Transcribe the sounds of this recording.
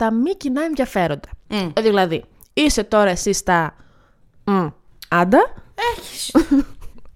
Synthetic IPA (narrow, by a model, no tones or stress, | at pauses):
t̪ɐmicinɐe̞nðʝɐfe̞ɾo̞nd̪ɐ̥ðilɐði | ise̞t̪o̞ɾɐesist̪ɐ | ɐnd̪ɐeçi̥s